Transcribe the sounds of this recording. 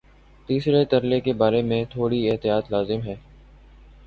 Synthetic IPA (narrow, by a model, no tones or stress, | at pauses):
t̪iːsɾet̪ɐɾlekebaːɾemẽt̪ʰoːɽiɪɦt̪ɪjaːt̪laːzɪmɦɛː